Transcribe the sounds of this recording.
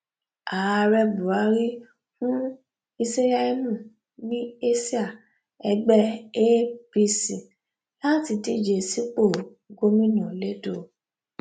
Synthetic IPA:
a˨a˧ɾɛ˧bu˨a˨˦ɾi˦ | fũ˦ | i˧se˦ja˦i˦nũ˦˨ | nĩ˦e˦si˦a˦˨ | ɛ˧ɡ͡bɛ˦e˦bi˧si˨ | la˦ti˧di˦˨d͡ʒe˧si˦k͡po˦˨ | ɡo˦mĩ˦nã˨le˦do˦˨

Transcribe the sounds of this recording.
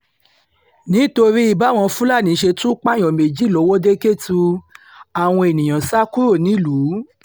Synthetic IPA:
nĩ˨˦to˧ɾi˦i˦˨ba˨˦˨w̃ɔ̃˧fũ˦la˦˨nĩ˨˦ʃe˧tũ˦k͡pa˦˨j̃ɔ̃˨me˨d͡ʒi˨˦˨lɔ˨˦wɔ˦de˦ke˦˨tu˧ | a˨w̃ɔ̃˧e˨nĩ˨j̃ã˨sa˦ku˦o˦˨nĩ˨˦˨lu˨˦

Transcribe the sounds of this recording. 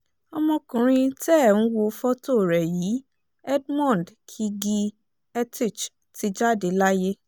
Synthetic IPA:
ɔ˧mɔ̃˧kũ˨ɾ̃ĩ˧tɛ˦˨ñ̩˦wo˧fɔ˦to˦˨ɾɛ˨jiː˨˦ | ɛ˦dmɔ̃˦˨n˨dkʰi˧ɡi˧ | ɛ˦ti˦˨t͡ʃ | ti˧d͡ʒa˦˨de˨˦la˦je˦

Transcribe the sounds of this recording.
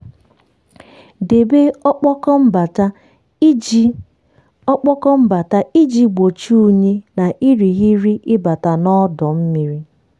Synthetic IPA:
de˨be˦ɔ˦k͡pɔ˦kɔ˦m̩˦ba˨ta˦ | ɔ˦k͡pɔ˦kɔ˦m̩˦ba˨ta˦i˦d͡ʒi˦ɡ͡bo˨t͡ʃu˦u˦ɲe˦na˨ʔi˦ɾi˨ɣi˦ɾi˦ʔɪ˦ba˨ta˨nɔ˦dɔ˨m̩˦mi˨ɾi˦

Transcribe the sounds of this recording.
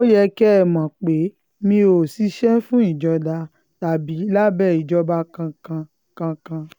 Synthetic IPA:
o˦jɛ˧kɛ˦ɛ˦˨mã˨k͡pe˨˦ | mĩ˧o˨si˧˦ʃɛ˦fũ˦i˦˨d͡ʒɔ˧da˧ | ta˨bi˨˦la˦bɛ˦˨i˨d͡ʒɔ˧ba˧kã˧kã˧ | kã˧kã˧

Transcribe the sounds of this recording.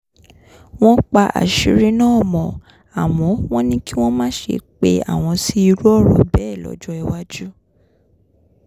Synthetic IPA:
w̃ɔ̃˦k͡pa˧ʔa̰˨ʃi˨˦ɾi˦nãː˦˨mɔ̃˨ | a˨w̃ɔ̃˨˦w̃ɔ̃˦nĩ˦ki˦w̃ɔ̃˦mãː˦ʃḛ˧k͡pe˧a̰˨w̃ɔ̃˧si˦i˧ɾu˦ɔ˦˨ɾɔ˨bɛ˦˨lɔ̰˨˦d͡ʒɔ˦ɛ˧wa˦d͡ʒu˦

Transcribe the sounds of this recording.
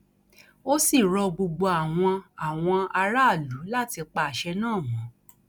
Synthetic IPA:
o˦si˦˨ɾɔ˧ɡ͡bo˧ɡ͡bo˧a˨w̃ɔ̃˧a˨w̃ɔ̃˧a˧ɾa˦˨lu˨˦la˦˨ti˧k͡pa˧˨ʃɛ˧nãː˦˨mɔ̃˨˦

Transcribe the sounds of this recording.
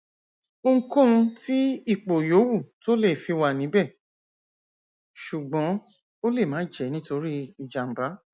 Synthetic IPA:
o˧ŋ̩˦kõ˦ũ˧ti˦i˦˨k͡po˨jo˨˦wu˦˨to˦le˦˨fi˨˧˦wa˧˨nĩ˨˦bɛ˦˨ | ʃu˨ɡ͡bɔ̃˨˦ | o˦le˦˨mãː˨˦d͡ʒɛ˨˦nĩ˦to˧ɾi˦i˨d͡ʒa˨ŋ͡m̩˨ba˨˦

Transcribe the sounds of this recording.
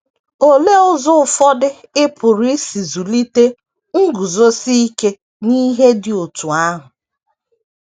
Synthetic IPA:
o˨le˦ʊ˦zʊ˦ʊ˨fɔ˦dɪ˦ɪ˦pʊ˨ɾe˦si˨zu˨li˦te˦ | ŋ̩˦ɡu˨zo˦si˦i˦ke˦ | ni˦ɦe˦dɪ˨o˨tu˨a˦ɦʊ˨

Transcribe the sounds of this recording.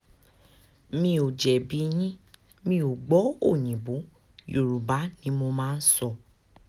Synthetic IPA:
mĩ˧o˨d͡ʒɛ˨bi˧˦j̃ĩ˦ | mĩ˧˦o˨ɡ͡bɔ˨˦o˦˨j̃ĩ˨bo˨˦ | jo˨ɾu˨ba˨˦nĩ˨˦mo˧mãː˦˧n̩˦sɔ˧˨

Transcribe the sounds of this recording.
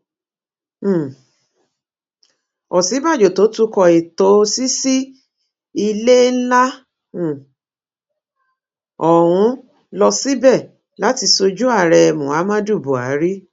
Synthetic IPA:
ɔ˨si˨˦ba˦˨d͡ʒo˨to˨˦tu˦kɔ˧i˨to˨˦si˦si˦ | i˧le˦n̩˦lã˦˨ | ɔ˨ɾ̃ũ˨˧˦ | lɔ˧si˦bɛ˦˨ | la˦ti˧so˧d͡ʒu˦a˦˨ɾɛ˧mũ˨a˨˦mã˦du˦˨bu˨a̰˨˦ɾi˦

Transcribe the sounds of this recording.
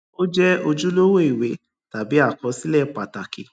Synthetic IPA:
o˦d͡ʒɛ˦o˧d͡ʒu˦lo˦wo˦i˨we˨˦ | ta˨bi˨˦a˦˨kɔ˨˦si˦lɛ˦˨k͡pa˨ta˨kḭ˨˦

